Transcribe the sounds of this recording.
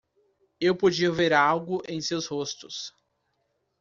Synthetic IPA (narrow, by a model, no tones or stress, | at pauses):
ewpod͡ʒiɐveɾawɡʊʔẽj̃sewshost̪ʊs